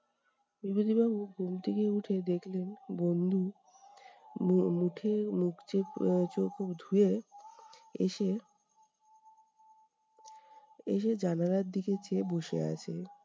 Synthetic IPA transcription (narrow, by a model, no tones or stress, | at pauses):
bibod̪ibabuɡumt̪ʰikeuʈʰed̪ekʰlenbond̪ʱu | muʈʰemukʰt͡ɕet͡ɕokʰobd̪ʱue | ḛʃe | ḛʃed͡ʑanaɾaɾd̪iket͡ɕeboʃḛa̰t͡ɕʰe